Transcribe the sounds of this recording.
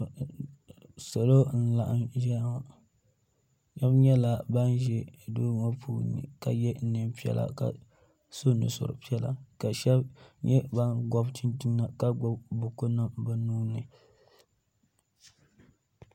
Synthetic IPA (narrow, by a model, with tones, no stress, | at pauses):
so˨lo˦n̩˦la˨ʔa˦mʒa˦ma˨ | ʃɛ˦bɲɛ˦la˨ba˦n˦ʒɛ˦˨doː˦ŋa˦pʰuː˦nɨ̰˨ka˨jɛ˦nɨ˨mpi˦ɛ̰˦lʔa̰˦˨ka̰˨ | so˦nɨ̰˨sʊ̰˨ɾ̰pi˦ɛ˦la̰˨ka˨ʃɛ˦bɲɛ˦ba˦nɡɔ˦bt͡ʃi˦nti˦na˨ka˦ɡɔ˦bbʊ˨ko˦na˦ba˦nuː˦nɨ˨